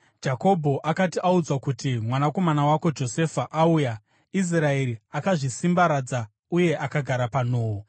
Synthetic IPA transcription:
d͡ʒako̞bʱo̞ʔakatiʔaud͡zwakutimwanako̞manawako̞d͡ʒo̞se̞faʔauja | is̬rae̞ɾiakaʐisimbaɾad͡za | uje̞ʔakaɡʱaɾapano̞ːwo

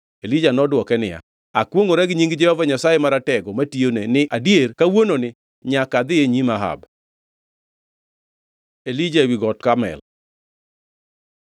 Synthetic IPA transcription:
elid͡ʒanɔdwɔkɛnɪja̰ | akwoŋoɾɛɡɲiŋɡd͡ʒɛhɔvaɲasajemaɾatɛɡɔmationenɪʔadjerkawononɪ | ɲakad̪ɪjeɲimaɦa̰b | elid͡ʒawiɡɔtkamɛ̰l

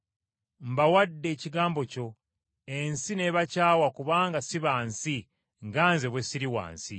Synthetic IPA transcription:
m̩bawadːe̞ːciɡaːmbo̞co̞ | ensine̞βacaːwakuβaːŋɡasiβaːnsi | ŋɡaːnze̞βwesiɾiwa̰ːnsi

